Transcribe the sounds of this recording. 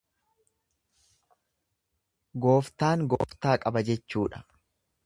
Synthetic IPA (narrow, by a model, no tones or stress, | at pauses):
ɡoːft̪aːŋɡo̰ːft̪aːkʼɐbɐd͡ʒɛt͡ʃːuːᶑɐ̥